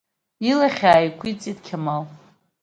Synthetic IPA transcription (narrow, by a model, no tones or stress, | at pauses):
ilaχʲaːjkʷʰit͡sʼid̚kʲʰamal